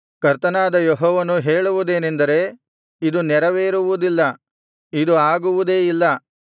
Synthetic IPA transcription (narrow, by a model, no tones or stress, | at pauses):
kɐɾt̪ɐnaːd̪ɐjɔɦɔːʋɐnuɦe̞ːɭuʋud̪e̞ːnend̪ɐɾe̞ː | id̪unɛɾɐʋeːɾuʋud̪ilːɐ | id̪uaːɡuʋud̪e̞ːilːɐ